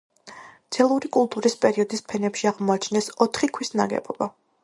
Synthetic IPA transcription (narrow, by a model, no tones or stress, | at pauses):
t̪sʰɛlˠuɾikʼulˠt̪ʼuɾispʼɛɾiɔd̪ispʰɛnɛpʃiaʁmɔat͡ʃʰnɛsɔt̪ʰχikʰwisnaɡɛ̰b̥ɔb̥a